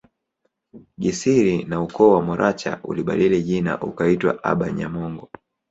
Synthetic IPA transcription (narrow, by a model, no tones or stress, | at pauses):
ɡisiɾinaukɔːwamɔɾʔat͡ʃa̰ʔṵliɓa̰ɗiliʄina̰ʔukaitwa̰ʔa̰ɓaɲamɔŋɡɔ